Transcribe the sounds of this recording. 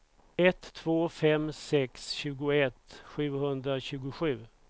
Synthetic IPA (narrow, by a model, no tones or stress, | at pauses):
ɛt̪ʰːvoːfɛmsɛksɕʉ̟ːɡʊɛt̪ɧʉ̟ːhɵnd̪ɾaɕʉ̟ːɡʊɧʉ̟ː